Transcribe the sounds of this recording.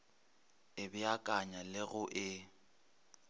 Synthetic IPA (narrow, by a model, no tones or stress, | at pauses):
ɪbɪakʼaɲalɪɣʊʔɪ